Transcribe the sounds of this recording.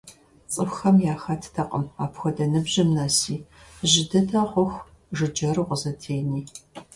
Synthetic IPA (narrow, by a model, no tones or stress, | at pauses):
t͡sʼɨxxɐmjaːxatʰtʰɐqʼə̰maːpxʷɔdɐnɨbʑɪmnɐsiːʑɪdɐtʰɐʁʷʊxʷ | ʒɨd͡ʒɐrɨʁʷəzɐtʰeːniː